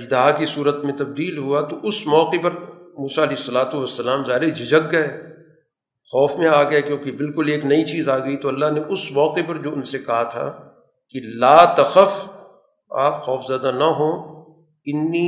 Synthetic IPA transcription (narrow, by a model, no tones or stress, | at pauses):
ɐd͡ʒd̪ɐɦakisuːɾət̪mẽt̪ɐb̚d̪iːlɦuat̪oʔʊsmɔːqepɐɾmuːsaɐleːɪsːɐlaːt̪uʋɐsːɐlaːmzaːɦɪɾed͡ʒɪd͡ʒəɡːɐeː | xɔːfmẽaːɡɐakjõːkebɪlkʊleːknɐit͡ʃiːzaːɡɐit̪oɐlːaɦneʔʊsmɔːqepɐɾd͡ʒoːʊnsekɐɦat̪ʰa̰ | kilaːt̪ɐxəf | a̰ːpxɔːfzaːd̪anɐɦõː | ɪnːi